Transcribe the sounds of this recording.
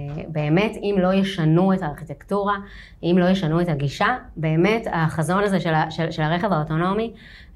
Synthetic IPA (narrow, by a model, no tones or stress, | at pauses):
be̞ːme̞timlo̞jeʃanuetaːʁχitektuʁa | ʔimlo̞jeʃanuetaɡiʃabe̞ːme̞taχazo̞nazeʃelaʃeʃelaʁeχe̞vaoto̞no̞mi